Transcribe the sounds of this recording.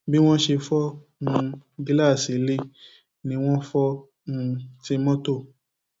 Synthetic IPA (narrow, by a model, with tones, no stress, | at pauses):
bi˦w̃ɔ̃˦ʃe˧fɔ˦ | ũ˧ɡi˦la˦˨si˨˦li˦ | nĩ˧˦w̃ɔ̃˦fɔ˦ | ũ˧˦ti˧mɔ̃˦to˦˨